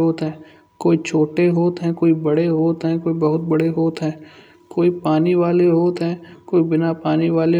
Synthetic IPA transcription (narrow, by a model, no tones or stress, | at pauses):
oːt̪ɦɛ̃ː | koːit͡ʃʰoːʈeɦoːt̪ɦɛ̃ːkoːibɐɽeɦoːt̪ɦɛ̃ːkoːibɐɦʊt̪̚bɐɽeɦoːt̪ɦɛ̃ː | koːipaːniʋaːleɦoːt̪ɦɛ̃ːkoːibɪnapaːniʋaːle